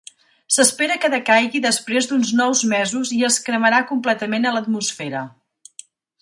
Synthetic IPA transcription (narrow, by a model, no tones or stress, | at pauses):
səspeɾəkəðəkajɣiðəspɾezd̪unznɔwzmɛzuziəskɾəməɾakumplɛt̪əmenələt̪musfɛɾə